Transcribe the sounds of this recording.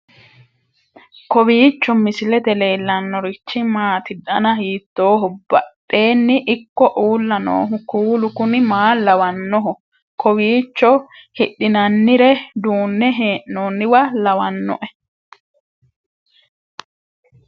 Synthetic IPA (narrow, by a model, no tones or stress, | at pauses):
kɔβiːt͡ʃːɔmɪsɪlɛt̪ɛle̞ːlːɐnːɔɾɪt͡ʃːɪmaːt̪ɪd̪ɐnɐhiːt̪ːo̞ːɦʊb̥ɐ̰tːe̞ːnːɪʔɪkːɔʔuːlːɐno̰ːɦʊkuːlʊkʊnɪmaːlɐwɐnːɔɦʊ | kɔwiːt͡ʃːɔhɪɗːɪnɐnːɪɾɛd̪uːnːɛɦeːʔnoːnːɪwɐlɐwɐnːɔ̰ʔɛ